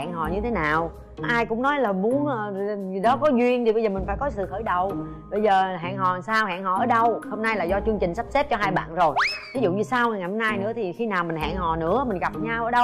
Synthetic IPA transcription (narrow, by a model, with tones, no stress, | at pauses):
a̰ː˧˨ŋɦɔ̰˨˩ɲɨ˧t̪ʰe˨˦naː˨˩w | ʔaː˧jkʊ̰˧˥ŋ͡mnɔ˨˦jlaː˨˩mu˨˦ənʔəː˨˩zi˨˩ɗɔ˨˦kɔ˨˦zwi˧ənɗi˨˩ɓə˧zəː˨˩mi̟˨˩faː˧˩jkɔ˨˦sɨ̰˧˨xəː˧˩˦jɗə˨˩w | ɓə˧jzəː˨˩ɦa̰ː˧˨ŋhɔ˨˩˨saː˧wha̰ː˧˨ŋhɔ̰˨˩ʔəː˧˩˦ɗə˧who˧wŋ͡mnaː˧jlaː˨˩zɔ˧t͡ɕɨ˧əŋt͡ɕï˨˩ŋ̟sa˦˥p̚se˦˥p̚t͡ɕɔ˧ɦaː˧jɓa̰ː˧˨nzo˨˩jvi˨˦zṵ˧˨ɲɨ˧saː˧wa˨˩ŋa˨˩jhɔ˧mnaː˧jnɨ̰˧˥ət̪ʰi˨˩xi˧naː˨˩wmï˨˩ŋ̟ɦa̰ː˧˨ŋhɔ˨˩nɨ̰˧˥əmï˨˩ŋɣa˨˩p̚ɲaː˧wʔəː˧˩ɗə˧w